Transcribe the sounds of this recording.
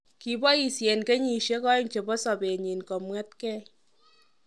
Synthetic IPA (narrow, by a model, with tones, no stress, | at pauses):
ki˨bɔ˦i˨sjɛ˨nke˦ɲi˨ʃe˦kɔ˦nt͡ʃe˨bɔ˦sɔ˨be˨ɲi˨nkɔ˨mwɛ˦t̚kɛ˦